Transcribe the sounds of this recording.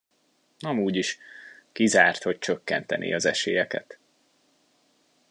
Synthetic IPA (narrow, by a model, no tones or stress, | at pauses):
ɒmuːɟiʃkizaːrt̪ho̞c̚t͡ʃøkːɛnt̪ɛnʔḛːɒzɛʃeːjɛkɛ̰t̪